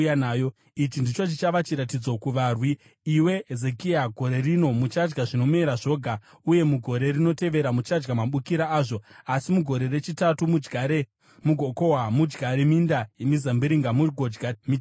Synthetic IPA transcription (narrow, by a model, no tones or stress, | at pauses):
jnaːjo | it͡ʃindit͡ʃo̞t͡ʃit͡ʃaʋat͡ʃiɾatid͡zo̞kuʋaːrwiː | we̞ze̞kiaɡʱo̞ɾe̞rino̞mut͡ʃad͡ʒɡaʐino̞me̞ɾaʐo̞ɡʱa | uje̞muɡʱo̞ɾe̞rino̞te̞ʋe̞ɾamut͡ʃad͡ʒɡamaɓukiɾaaːʐo̞asimuɡʱo̞ɾe̞ɾe̞t͡ʃitatumue | muɡʱoko̞wamud͡ʒɡaɾemindajemizambiɾiŋɡamuɡʱod͡ʒɡami